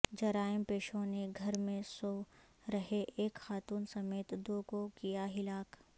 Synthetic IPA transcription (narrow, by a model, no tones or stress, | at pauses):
d͡ʒɐɾaːɪmpeːʃõneɡʱɐɾmẽso | ɾɐɦeʔeːkxaːt̪uːnsɐmeːt̪d̪oːkokijaɦɪlaːk